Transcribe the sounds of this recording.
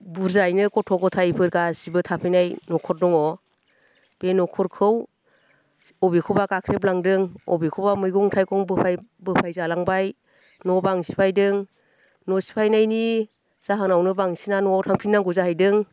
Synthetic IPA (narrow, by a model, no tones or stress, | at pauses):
buɾzajnɯkɔtʰɔɡɔtʰajpʰɯɾɡasibɯtʰapʰajnajnɔkʰɔɾ̚dɔŋɔ | b̥enɔkʰɔɾkʰɯw | ɔbikʰɯwbakakʰɾep̬̚laŋdɯŋɔ̰bikʰɯwbamɯjɡɔŋtʰajkɔŋbɯpʰabɯpʰajzalaŋbaj | nɔbaŋsi̥pʰajdɯŋ | nɔsi̥pʰajnajni | z̥aɦanawnɯbaŋsinanɔtʰaŋpʰinːaŋɡɔzahajdɯŋ